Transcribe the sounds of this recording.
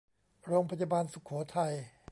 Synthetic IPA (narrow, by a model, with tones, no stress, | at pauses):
ɾoː˧ŋpʰa˧jaː˧baː˧nsu˨˩kʰɔː˩˦t̪ʰa˧j